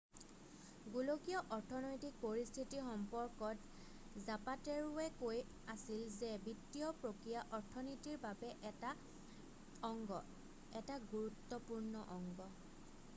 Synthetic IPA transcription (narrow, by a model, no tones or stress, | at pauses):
ɡulokijɔʔɔɹtʰɔnojtik̚poɹistʰitixɔmpɔɹkɔt | zapatɛɹuɛkoj | asilzɛbitːiɔpɹokɹijaʔɔɹtʰɔnitiɹbabɛʔa | ɔŋɡɔ | ɛtaɡuɹut̪ːɔpuɹnɔʔɔŋɡɔ